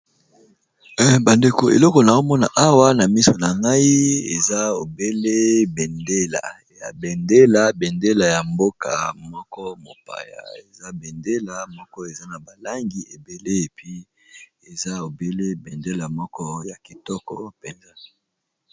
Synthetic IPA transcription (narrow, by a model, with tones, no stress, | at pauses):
ba˨nde˨ko˨ḛ˨lɔ˦kɔ˨na˨o˦mɔ˦na̰˨ʔa˦wa˦na˨mi˦so˨na˨ŋɡa˦i˦ḛ˨za˦o˨be˦le˦be˨nde˦la̰˨ | ja̰˨be˨nde˦la˨bɛ˨nde˦la˨ja˨mbo˦ka̰˨mɔ˦kɔ˦mo̰˨pa̰˨ja̰˨e˨za˦be˨nde˦la˨mɔ˦kɔ˦e˨za˦na˨ba˨la˦ŋɡi˨e˨be˨le˦e˨pi˦ | e˨za˦o˨be˦le˦be˨nde˦la˨mɔ˦kɔ˦ja˨ki˨tɔ˦kɔ̰˨pe˨nza˦